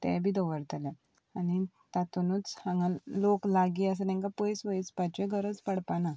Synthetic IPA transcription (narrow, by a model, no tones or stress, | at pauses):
t̪ɛ̰bʱiːd̪ɔʋəɾt̪alã | ani | t̪at̪unut͡shãŋɡãnloklaɡiəs̬ənɛ̃ŋkapɔjsʋəjt͡spat͡ɕeɡʱəɾət͡spəɽpana